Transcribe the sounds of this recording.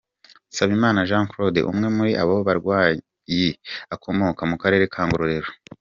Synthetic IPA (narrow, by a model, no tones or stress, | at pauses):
saβimaːnaʒaːŋkɾo̞dḛʔṵmŋe̞muɾiʔaβawoβaɾɡwaː | jeakʰo̞mo̞kamukaɾe̞ːɾe̞kʰaːŋɡoɾoɾe̞ɾo